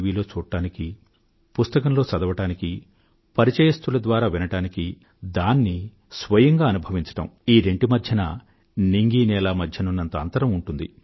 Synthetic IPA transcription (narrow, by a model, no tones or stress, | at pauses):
ʋiːlo̞ːt͡ʃuːʈːaːniki | pust̪ɐkɐmlo̞ːt͡ʃɐd̪ɐʋɐʈaːniki | pɐɾit͡ʃɐjɐst̪ulɐd̪ʋaːɾaːʋinɐʈaːniki | d̪aːnːi | sʋɐjɐŋɡaːɐnubʱɐʋiɲt͡ʃɐ̥ʈɐ̰miːɾe̞ɳʈimɐd̪ʱjɐnɐ̰ | niŋɡiːnɛːlaːmɐd̪ʱjɐnunːɐnt̪ɐɐnt̪ɐɾɐmuɳʈund̪ḭ